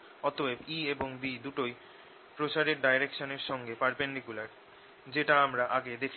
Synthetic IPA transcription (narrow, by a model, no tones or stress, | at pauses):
ɔt̪oebieboŋbid̪uʈoj | pɾot͡ɕaɾeɾɖajɾekʃoneɾʃɔŋɡepaɾpeɳɖikulaɾ | d͡ʑeʈaamɾaʔaɡed̪ekʰ